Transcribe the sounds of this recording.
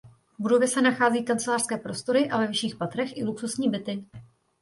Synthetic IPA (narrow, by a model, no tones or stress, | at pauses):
budo̞vjɛsɛnaxaːziːkant͡sɛlaːr̥skɛːpɾo̞st̪o̞ɾɪʔavɛvɪʃiːxpat̪ɾɛxʔɪluksusɲiːbɪt̪ɪ